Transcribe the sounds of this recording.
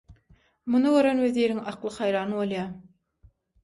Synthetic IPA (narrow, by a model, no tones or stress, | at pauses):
munɯɡøɾønweðiːɾiŋɑqlˠɯχɑjɾɑːnɯβo̞lˠjɑː